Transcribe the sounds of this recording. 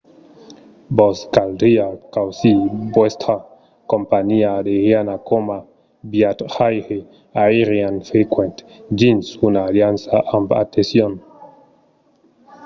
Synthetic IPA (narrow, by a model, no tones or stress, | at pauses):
bɔskaldiakawsibwest̪ʰa | kompaɲiadehjanakoma | bjat̪hajhe | aiɾianfekwɛ̃nt̪ | d͡ʒinsunaːljansaʔamba̰t̪esjon